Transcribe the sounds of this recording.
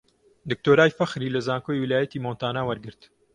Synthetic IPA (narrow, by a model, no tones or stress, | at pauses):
d̪ɨk̚t̪oːɾaːjfɐxɾiːlɐzaːŋkoːjwilaːjɐt̪imoːnt̪aːnaːwɐɾɡɨɾt̪